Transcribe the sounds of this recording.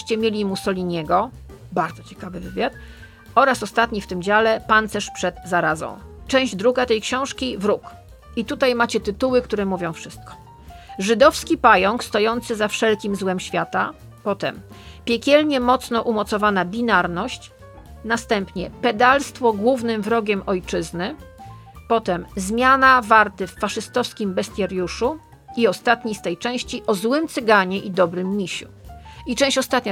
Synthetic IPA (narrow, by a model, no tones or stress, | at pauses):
ɕt͡ɕɛmʲjelʲimusɔlʲiɲɛɡɔ | baɾd̪ɔt͡ɕɛ̥kavɘvɘvʲjat̪ | ɔɾasɔst̪at̪ɲift̪ɘmd͡ʑalɛpant̪sɛʂpʂɛd̪zaɾazɔ̰̃w̃t͡ʂɛ̃w̃ʑd͡ʑd̪ɾuɡat̪ɛjkɕɔ̃w̃ʂkʲivɾuk | it̪ut̪ajmat͡ɕɛt̪ɘt̪uwɘkt̪uɾɛmuvʲjɔ̃w̃fʂɘst̪̚kɔ̥ | ʐɘd̪ɔfskʲipajɔŋkst̪ɔjɔnt̪sɘzafʂɛlkʲimzwɛmɕfʲjat̪a | pɔt̪ɛmpʲjɛkʲɛlɲɛmɔt̪snɔʔumɔt̪sɔvanabʲinaɾnɔɕt͡ɕ | nast̪ɛmpɲɛpɛd̪alst̪fɔɡwuvnɘmvɾɔɡʲɛmʔɔjt͡ʂɘznɘ | pɔt̪ɛmzmʲjanavaɾt̪ɘfːaʂɘst̪ɔfskʲimbɛst̪ʲjɛɾjuʂu | iɔst̪at̪ɲist̪ɛjt͡ʂɛ̃w̃ɕt͡ɕiʔɔzwɘmt̪sɘɡaɲɛʔid̪ɔbɾɘmːʲiɕṵit͡ʂɛ̃w̃ɕt͡ɕɔst̪at̪ɲa